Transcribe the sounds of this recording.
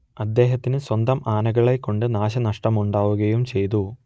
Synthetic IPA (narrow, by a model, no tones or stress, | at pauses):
ɐd̪ːe̞ːɦɐt̪ːinɨswɐnd̪ɐmʔaːnɐɣɐɭekːo̞ɳɖɨnaːɕ̬ɐnɐʂʈɐmuɳɖaːʋuɣɐjumt͡ɕe̞jt̪u